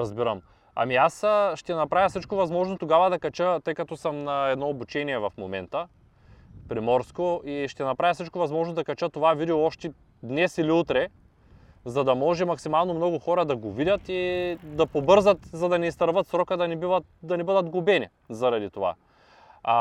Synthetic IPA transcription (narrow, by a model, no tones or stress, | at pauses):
ɾɐzbiɾɐ̰m | ɐ̰miasʃt̪ɛnɐpɾavʲjɐsit͡ʃkovɐzmɔʒnot̪oɡavɐd̪ɐkɐt͡ʃət̪ɤjkɐt̪ɔsəmnɐɛd̪nɔobut͡ʃɛniɛvɐfmomɛ̰nt̪ə | pɾimɔɾskoiʃt̪ɛnɐpɾajɐsit͡ʃkovɐzmɔʒnod̪ɐkɐt͡ʃət̪ovavid̪ɛoɔʃt̪ɛ | d̪nɛsiliut̪ɾɛ | zɐd̪ɐmɔʒɛmɐksimalˠnomnɔɡʊxɔɾɐd̪ɐɡovid̪ʲɐt̪id̪ɐpobɤɾzət̪zɐd̪ɐnɛist̪ɐɾvət̪sɾɔkəd̪ɐnɛbivɐt̪d̪ɐnɛbəd̪ɐt̪ɡubɛnḭ | zɐɾɐd̪it̪ova̰